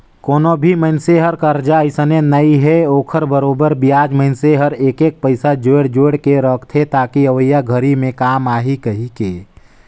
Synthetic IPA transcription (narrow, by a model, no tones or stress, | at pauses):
koːnobʱiməɪnseɦəɾkəɾd͡ʒaɪsənenəiɦɛoːkʰəɾbəɾoːbəɾbijaːd͡ʒmənseɦəɾeːkeːk̚pəɪsad͡ʒoːɽd͡ʒoːɽkeɾəkʰt̪ʰet̪aːkiəʋəjaɡʱəɾimẽkaːmaːɦikɐɦikeː